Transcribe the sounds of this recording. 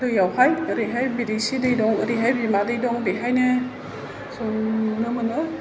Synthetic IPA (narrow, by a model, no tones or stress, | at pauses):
dɯjawhajɯɾiɦajbidisidijdɔŋɯɾiɦajbimadijdɔŋbiɦajnɛ | sɔnɯmɯnɯ